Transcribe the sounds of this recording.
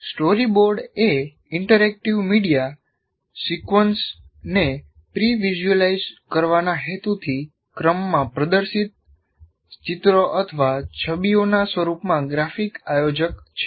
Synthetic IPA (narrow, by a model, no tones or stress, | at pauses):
sʈoɾiboɾɖe | ɪɳʈəɾɛk̚ʈiʋmiɽija | sikʋəns | ne | pɾiʋiʒəlaizkəɾʋanaɦet̪ut̪ʰi | kɾəmːãpɾəd̪əɾsit̪̚ | t͡ʃit̪ɾoʔət̪ʰəʋat͡ʃʰəbionasʋəɾupmãɡɾafikajod͡ʒəkt͡ʃʰe̥